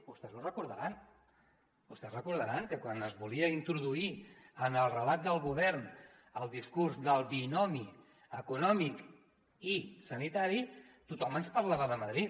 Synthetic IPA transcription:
bust̪ɛzlurəkuɾðəɾan | bust̪ɛsrəkuɾðəɾankəkwanəzβuliəint̪ɾuðuiənəlˠrəlat̪̚d̪əlˠɣuβ̞ɛɾn | əlˠd̪iskurzðəlˠβinɔmi | əkunɔmik | isənit̪aɾi | t̪ut̪ɔmənspəɾlaβəðəməðɾit̪

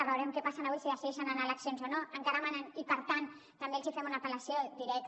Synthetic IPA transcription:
βawɾemkepasanaβujsiɣaseiʃananalaksjonsonoaŋkaɾamananipəɾt̪an | t̪ambelsifemunapelasjod̪iɾɛk

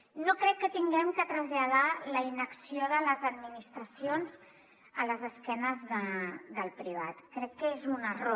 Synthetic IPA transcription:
nokɾɛkːət̪iŋɡɛmkət̪ɾəzʎað̞aləinəksioðələzəd̪minist̪ɾəsionz | ələzəskɛnəzðəðəlˠpɾiβ̞at̪kɾɛkːəezunəro

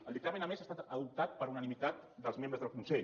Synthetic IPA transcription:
əlˠd̪ək̚t̪amenəmezast̪at̪əðup̚t̪at̪̚pəɾunənimit̪at̪d̪əlˠzmẽmbɾəzðəlˠkunsɛʎ

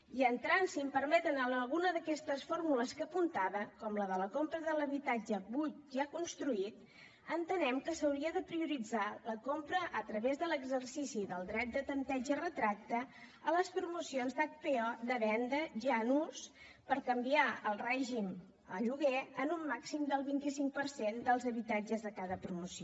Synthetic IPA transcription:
iənt̪ɾansimpəɾmɛt̪ənələlˠɣunəðəkɛst̪əsfoɾmuləskəpunt̪aβəkɔmləðələkompɾəðələβit̪ad͡ʒəβut̪ʒakunst̪ɾuit̪ | ənt̪ənɛmkəsəwɾiəðəpɾiuɾid͡zaləkompɾəʔət̪ɾəβezðələɡzərsisiðəlˠd̪ɾɛt̪̚d̪ət̪ənt̪ɛd͡ʒərət̪ɾak̚t̪əːləspɾumusionzðak̚peɔd̪əβɛnd̪əʒanus | pəɾkəmbiaəlˠrɛʒim | ə̰ʎuɣ̞eənumːaksimd̪əlˠβint̪isiŋk̚pərsend̪əlˠzəβit̪ad͡ʒəzðəkaðəpɾumusio

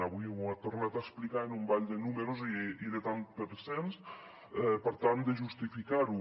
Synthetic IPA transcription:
aβujat̪oɾnat̪aesplikaenumbaʎd̪enumeɾoziiðet̪anpəɾsens | ɛpəɾt̪and̪eʒust̪ifikaɾu

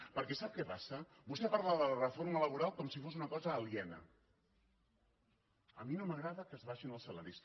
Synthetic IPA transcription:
pəɾkɛsap̚kɛpasə | bust̪ɛpaɾðaðələrəfoɾmələβ̞uɾalˠkɔmsifozunəkɔzəːliɛnə̰ | əminoməɣɾaðəkəzβaʃinəlˠsəla̰ɾis

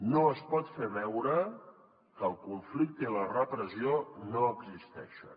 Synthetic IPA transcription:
noəspɔt̪feβɛwɾə | kəlˠkuɱflik̚t̪əilərəpɾəzionoəɡzist̪ɛ̰ʃə̰n

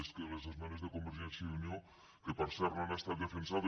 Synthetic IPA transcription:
skelezezmanezðekombeɾʒenθjaðunjo | kepaɾsaɾnanast̪ald̪efensaðo

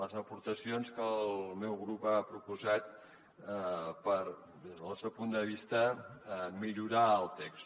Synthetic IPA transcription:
ləzəpuɾt̪əsionskəlˠmɛwɣɾupapɾupuzat̪ | pəɾ | d̪ezðəlˠsewpund̪əβist̪ə | miʎuɾaəlˠt̪ɛks

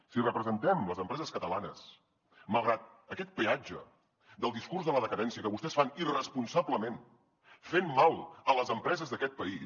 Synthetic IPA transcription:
sirəpɾəzənt̪ɛmləzəmpɾɛzəskət̪əlanəs | məlˠɣɾat̪̚ | əkɛt̪̚pead͡ʒə̰ | d̪əlˠd̪iskuɾzðələðəkəðɛnsiəkəβust̪ɛsfanirəspunsabləmen | femːalˠələzəmpɾɛzəzðəkɛt̪̚pəi

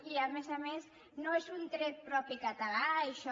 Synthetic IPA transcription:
iamezamez | noezunt̪ɾet̪̚pɾɔpikat̪alaeʃɔ

